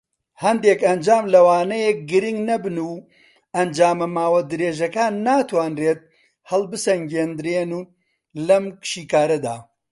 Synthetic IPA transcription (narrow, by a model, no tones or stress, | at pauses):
hɐnd̪eːkɐnd͡ʒaːmlɐwaːnɐjɛk̚ɡɨɾɪŋɡnɐbɨnuː | ɐnd͡ʒaːmɐmaːwɐd̪ɨɾeːʒɐkaːnːaːt̪waːnreːt̪̚ | hɐlˠbɨsɐŋɡeːnd̪ɨɾeːnuː | lɐmkʃiːkaːɾɐd̪a̰ː